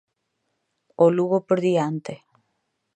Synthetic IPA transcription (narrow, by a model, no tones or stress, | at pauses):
oluβopeɾðiant̪e